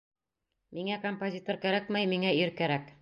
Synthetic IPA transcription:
miŋækompozʲit̪oɾkæɾækmæjmiŋæiɾkæɾæk

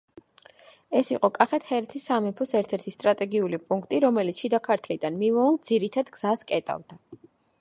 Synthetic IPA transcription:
ɛsiqʼɔkʼaχɛt̪hɛɾɛt̪ʰisːamɛpʰɔsɛɾt̪ʰɛɾt̪ʰist̪ʼɾat̪ʼɛɡiulipʼuŋkʰt̪ʼiɾɔmɛlit̪sʃid̪akʰaɾt̪ʰlid̪anmivɔuld̪z̥iɾit̪ʰad̪ɡz̥askʼɛt̪ʼa̰vd̪a

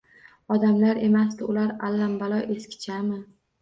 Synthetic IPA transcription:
ɒd̪amlaɾe̞masd̪ɪʊlaɾalːambalɒʔe̞skʲɪ̥t͡ʃʰamɪ

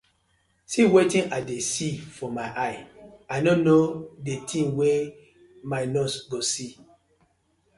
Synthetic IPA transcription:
siwetĩnʔadesifɔmaɪʔaɪaɪnonodetʰĩnwɛ | maɪnɔsɡosi

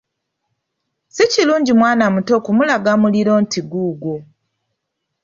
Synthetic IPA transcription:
siciluːɲɟimwaːnamuto̞kumulaɡamuliɾo̞ːntiɡuːɡo

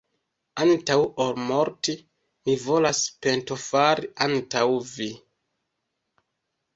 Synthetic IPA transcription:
antawoɾmo̞ɾti | mivo̞laspe̞nto̞faɾiʔantawvi

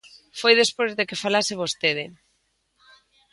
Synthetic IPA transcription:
fojðespozðekefalaseβ̞ost̪eð̞ɪ

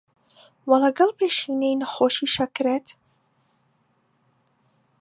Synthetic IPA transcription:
walaɡalpeʃinejnaxoʃiʃakɨɾet̪

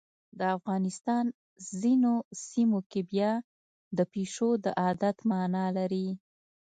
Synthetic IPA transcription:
d̪əafɣɑnɪst̪ɑn | zinosimokebjɑ | d̪əpeʂod̪əʔɑd̪at̪mɑnɑlaɾi

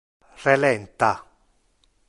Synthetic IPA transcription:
relɛnt̪a

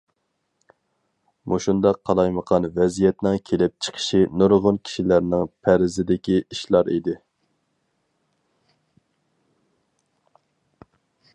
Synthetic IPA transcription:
muʃund̪ɑqʰːɑlˠɑjməqʰɑnvɛzijɛt̪nɪŋkʲʰelɪp̚t͡ʃʰə̥qʰə̥ʃinoɾʁʊnkʲʰi̥ʃilæɾnɪŋpʰæɾɪzɪd̪ɪkʲiʔiʃlˠɑɾḭd̪ɪ

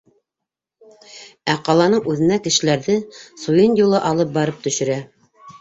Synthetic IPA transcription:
æqɑlˠɑnɤɴʉðɘ̆nækɘ̆ʃɘ̆læɾðɘsujɤnjulˠɤʔɑlˠɤp̚bɑɾɤp̚t̪ɵ̆ʃɘ̆ɾæ

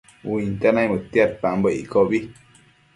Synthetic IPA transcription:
uint̪anajmət̪jat̪̚pambəʔḭkɔbi

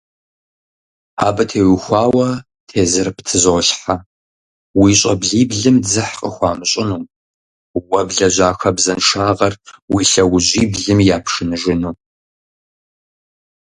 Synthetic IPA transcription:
aːbɐtʰeːwʊxʷɑːwɐ | tʰeːzɨrptʰɨzoɬħa | wiːɕʼɐbɮiːbɮɨmzɨħqʼəxʷɑːmɨɕʼɪnuː | wɐbɮɐʑʷaːxɐbzɐnʂaːʁɐrwiːɬɐwʊʑiːbɮɨmjaːpʰʂɨnɨʒɪnuː

